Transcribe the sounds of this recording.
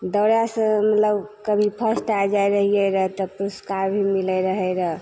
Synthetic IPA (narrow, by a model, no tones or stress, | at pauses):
d̪əɾjasə̃mət̪ləbkəbʱipʰəsʈad͡ʒajɾəɦijeɾəɦt̪ɔpɾoskaɾbʱimiləɾəɦɛɾəɦ